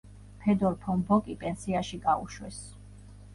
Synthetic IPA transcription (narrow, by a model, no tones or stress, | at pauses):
pʰɛd̪ɔɾpʰɔmbɔkʼipʼɛnsiaʃiɡaṵʃwɛs